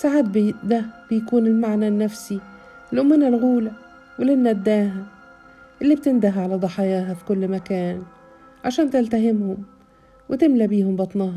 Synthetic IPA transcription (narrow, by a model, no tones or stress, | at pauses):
saʕaːt̪̚bd̪æb̥ɪjkuːnɪlmaʕnanːæfsi | ɪlʔʊmːɪnalɣuːla | wɪlɪnːæd̪ːaːɦa | ʔɪlːibt̪ɪnd̪aɦʕalad̪ˤɑħɑjaːɦafi̥kʊlːmakaːn | ʕaʃæːnt̪ɪlt̪aɦɪmhʊm | wɪt̪ɪmlabiːhʊmbɑt̪ˤnɑːɦɑ